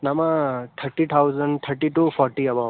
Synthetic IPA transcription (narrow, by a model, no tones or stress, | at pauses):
namat̪ʰəɾʈit̪ʰawzəɳɖt̪ʰəɾʈiʈufɔɾʈiɐba